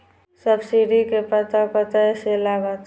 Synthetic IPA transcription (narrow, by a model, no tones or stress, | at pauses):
səbsiɖikepət̪apət̪aselabat̪